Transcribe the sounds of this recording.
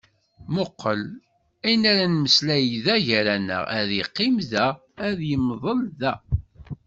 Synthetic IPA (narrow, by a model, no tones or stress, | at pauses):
moqːəl | æjnæɾænməslæjðæʝɾænə̰ʁæðjiqːimðæ | æðjəmðˤəlðæ